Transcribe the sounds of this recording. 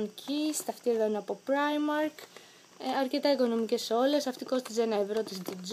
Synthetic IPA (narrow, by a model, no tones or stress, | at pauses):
ncʰist̪ɐft̪ieðoinɐpo̞pɾɐjmɐɾk | ɐɾce̞t̪ɐiko̞no̞mice̞so̞le̞sɐft̪iko̞st̪it͡senɐvɾot̪isd̪id͡z